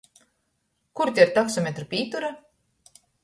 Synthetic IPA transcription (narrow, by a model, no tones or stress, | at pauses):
kuɾt̪ʲɛɾt̪aksɔmʲet̪ɾupʲiːt̪uɾa